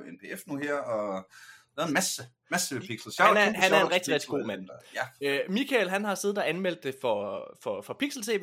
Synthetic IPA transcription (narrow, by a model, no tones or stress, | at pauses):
enpʰe̝efnuheɐ̰ɒ | ʋɛːɐenmæsə | mæsəepʰiɡ̥sl̩sɑnæɐɦænæɐe̝nʁɛɡ̥d̥iʁɛɡ̥̚d̥iɡ̥o̝̰ːmæn̰ | mikʰælɦænɦɑ̈se̝ːð̩ˠɒænmel̰d̥ːe̝fɒfɒ̽fɒ̽pʰiɡ̥sl̩sʰe̝̰ː